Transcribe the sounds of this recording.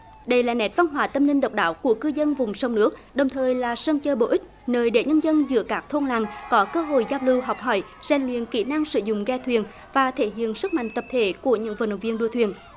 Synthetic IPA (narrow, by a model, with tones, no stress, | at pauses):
ɗə˧jlaː˨˩nɛ˨˦˥t̚va˧nɦwaː˨˩t̪ə˧mnï˧ŋ̟ɗə˨˩wk͡p̚ɗa̰ː˧˦wku˧˩əkɨ˧zə˧nvʊ˨˩ŋ͡mswŋ͡mnɨ˦˥ək̚ɗə˨˩wŋ͡mt̪ʰəː˨˩jlaː˨˩sə˧ŋ͡mt͡ɕəː˧ɓo̰˧˨ʔï̟˦˥nəː˨˩jɗe˧˩ɲə˧nzə˧nzɨ̰˧˥əkaː˦˥k̚t̪ʰo˧nla̰˧˨˩ŋkɔ˨˦kəː˧ɦo̰˧˨jzaː˧wlɨ˧wɦa˨˩wk͡p̚hɔ˧˩j | z̥ɛ˨˩ŋ̟lwḭ˧˨ənki˧˩na˧ŋsɨ̰˧˩zʊ̰˧˨ŋ͡mɣɛ˧t̪ʰwi˨˩ən | vaː˨˩t̪ʰe˧˩ɦḭ˧˨ənsɨ˦˥k̚ma̰˧˨ŋ̟t̪ə˨˩p̚t̪ʰe˧˩˦ku˧˩əɲɨ̰˧˥ŋvə̰˧˨nə˧˨˩wŋ͡mvi˧ənɗu˧ət̪ʰwḭ˨˩ən